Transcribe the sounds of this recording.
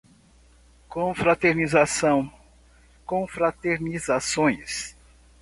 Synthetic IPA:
kõfɾat̪eɾnizasɐ̃w̃ | kõfɾat̪eɾnizasõj̃s

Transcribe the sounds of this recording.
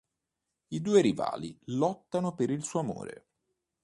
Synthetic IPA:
id̪uːeɾiva̰ːlilɔt̪ːanopeɾilsuːoamo̰ːɾḛ

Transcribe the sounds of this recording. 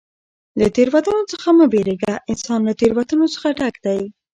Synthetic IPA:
lət̪eɾwat̪ɑnot͡səxaməbeɾeɡaʔɪnsɑnlat̪eɾwat̪ənot͡sə̥xaɖakd̪aj

